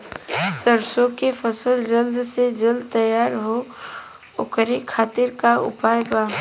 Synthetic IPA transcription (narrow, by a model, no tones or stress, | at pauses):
səɾsokepʰəsəld͡ʒəld̪sed͡ʒəld̪̚t̪əjaːɾɦo | okəɾekʰaːt̪ɪɾkaʊ̰paːjbaː